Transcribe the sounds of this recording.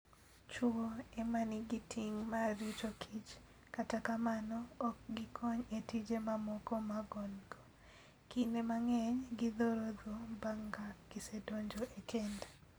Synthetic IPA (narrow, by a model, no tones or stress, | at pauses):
t͡ʃwoemaniɡitʰiŋmaɾit͡ʃokʰit͡ʃ | katakamanɔːkɡɪkʰɔɲetid͡ʒemamɔkɔmaɡɔnɡo | kinemaŋɛɲɡid̪oɾod̪obaŋɡaɡ̥isedoɲd͡ʒoʔekʰende